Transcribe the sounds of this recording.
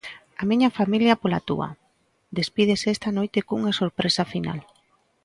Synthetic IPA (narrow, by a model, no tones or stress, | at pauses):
amiɲafamiljapola̰t̪ṵa̰ | d̪espið̞esest̪anojt̪ekuŋasoɾpɾesafina̰l